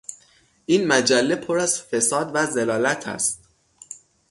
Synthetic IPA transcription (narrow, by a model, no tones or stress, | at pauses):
ʔiːnmæd͡ʒælːe̞pʰoɾæz̥fe̞sɒːd̪væzelɒːlæt̪ʰæ̰st̪̚